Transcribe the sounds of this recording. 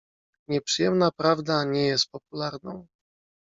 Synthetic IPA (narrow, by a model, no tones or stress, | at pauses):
ɲɛpʂɨjɛmnapɾavd̪aɲɛjɛst̪̚pɔp̚ulaɾnɔ̃w̃